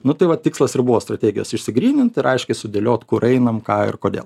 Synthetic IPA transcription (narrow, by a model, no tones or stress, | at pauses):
nʊt̪ɐɪʋɐt̪ʲɪkslˠɐsɪɾbʊʋoːst̪ɾɐtʲeːɡʲɪjo̰ːsɪʃʲsʲɪɡɾʲiːnʲɪnt̪ɪɾɐɪʃʲkʲɛɪsʊd̪ʲelʲoːt̪kʊɾɛɪnɐmkɑːɪ̰rkoːdʲḛːl